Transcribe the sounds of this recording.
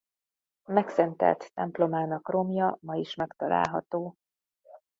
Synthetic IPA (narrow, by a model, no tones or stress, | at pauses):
mɛksɛnt̪ɛ̰lt̪ːɛmplo̞maːnɒkro̞mjɒmɒiʃmɛkt̪ɒla̰ːlɦɒ̰t̪oː